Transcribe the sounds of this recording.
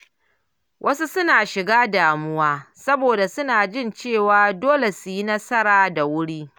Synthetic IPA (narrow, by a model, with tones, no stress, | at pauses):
wʔɐ˦su˦sʊ˦naː˨ʃɪ˨ɡaː˦daː˨mʊ˦waː˦sɐ˦boː˨da˨sʊ˦naː˨d͡ʒɪ˦˨nt͡ʃeː˦˨waː˦doː˦le˨su˨ji˦nɐ˦sɐ˦ɾaː˨da˨wʊ˦ɽiː˦